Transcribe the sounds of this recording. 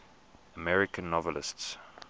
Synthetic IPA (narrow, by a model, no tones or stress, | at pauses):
əmɛɹɪkə̃nːɔvəlɪsts